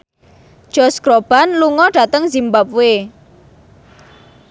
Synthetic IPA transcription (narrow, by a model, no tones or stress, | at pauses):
d̥ʒ̥ɔsɡ̥ɾob̥a̤nluŋɔɖ̥a̤t̪əŋzimbap̚we